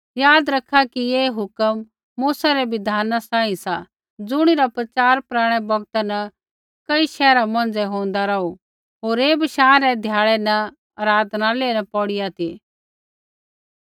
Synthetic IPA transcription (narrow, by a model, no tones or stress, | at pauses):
jaːd̪ɾɐkʰːakieːɦʊkəmː | uːsaɾɛʋɪd̪ʱaːnasãːĩsa | d͡zʊɽ̃iɾapɾɐt͡ʃaːɾpɾaːɽ̃ɛbɐɡt̪anɐ | kɐiʃɛːɾamɐ̃nd͡zɛɦõːn̆d̪aɾɐu | ɦoːɾeːbɐʃaːɾɛd̪ʱjaːɭɛnɐ | ɐɾaːd̪ʱnaleːnɐpɔːɽɪjat̪ʰi